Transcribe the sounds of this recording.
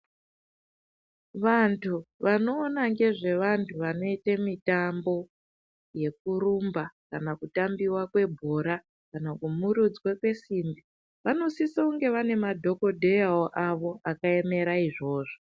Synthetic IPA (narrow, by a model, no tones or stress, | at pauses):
ʋantʰuʋano̞ːnaŋɡe̞ʐe̞ʋantʰuʋano̞itemitambo̞ | je̞k̚uɾumbakanakutambiwakwe̞bʱoːɾa | kanakumuɾud͡zɡwakwe̞simbi | ʋano̞sisauŋɡe̞ʋane̞madʱo̞ko̞dʱejaoʔaʋo̞ʔakae̞me̞ɾaiʐo̞ːʐo